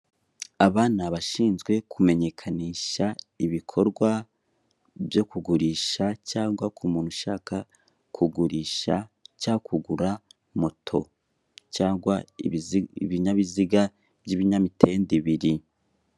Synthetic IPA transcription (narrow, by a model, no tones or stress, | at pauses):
aβaːnaβaʃiːnzɡwe̞kʰume̞ɲe̞kʰaniːʃaiβikʰo̞ɾɡwa | bjo̞kuɡuɾiːʃacaːŋɡwakʰumuːnhuʃaːka | kʰuɡuɾiːʃacakʰuɡuɾa | motʰo̞̰ | caːŋɡwa | βiɲaβiziɡa | vɟiβiɲamitʰe̞ːndiβiɾi